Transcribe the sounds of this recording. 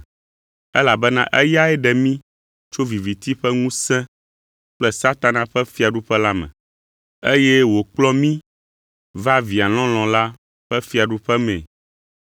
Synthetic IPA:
ɛ˦la˨bɛ˦nã̰˦ʔɛ˦ja˦ɛ˦ɖɛ˨mĩ˦ | t͡ʃo˦vi˨vi˨t̪i˦ɸɛ˦ŋũ˦sɛ̃˦ | k͡plɛ˦sa˦t̪a˨nã˨ɸɛ˦fi˦a˨ɖu˦ɸɛ˦la˦mɛ̰̃˨ | e˦jɛ˦wo˨k͡plɔ˦mĩ˦ | va˦vi˨a˨l̃ɔ̃˦l̃ɔ̃˨la˦ | ɸɛ˦fi˦a˨ɖu˦ɸɛ˦mɛ̰̃˨

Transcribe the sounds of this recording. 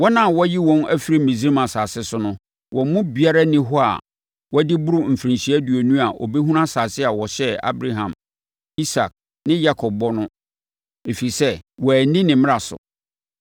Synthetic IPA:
wɔ˦nã˦˨wɔ˦ji˦wɔ̃˦næ˦fi˨ɾi˦mĩ˨zi˦ɾi˦mã˨saː˨sɪ˦sʊ˦nʊ̃˦ | wʔɔ˨mʊ̃˦bi˨a˦ɾa˦nɪ̃˦ɦʊ˦a̰˨ | wɔ˦dɪ˦bʊ˦ɾʊ˦m̩˨fɾĩ˨ɕi˨˦æ˦du˨ɔ˨nũ˦a˨ʔɔ̰˨be˦ɦũ˦ɾã˦saː˨sɪ˦a˨wɔ˨ɕɛ˦a̰˦bɾa˦ɦã̰˨m | i˦sa˨k̚ | nɪ̃˦ja˦kʰɔ˨b̚bɔ˦nʊ̃˦ | e˨fi˨i˨sɛ˦wɔ˨æ˨nĩ˦nɪ̃˨mɪ̃˦a˨sʊ̰˨

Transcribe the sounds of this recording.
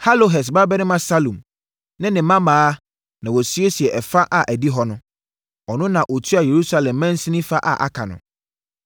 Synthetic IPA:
ha˦lo˨ɦɛ˨s̬ba˦bɛ˦nɪ̃˦mã˦sa˦lũ˨m | nɪ̃˦nɪ̃˨mã˦mãː˨˦ | nã˨wɔ˨si˦e˦si˨ɛ˨ʔɛ˨fa˦ʔa˨ʔæ˨di˦ɦɔ˦nʊ̃˦ | ɔ˨nʊ̃˦nã˨ʔo˨tʰu˦a˨je˨ɾu˦sa˦lɛ̃˨mːɛ̃˦n̩˦sĩ˦nĩ˦fa˦ʔa̰˨ʔa̰˨kʰã̰˨nʊ̰̃˨

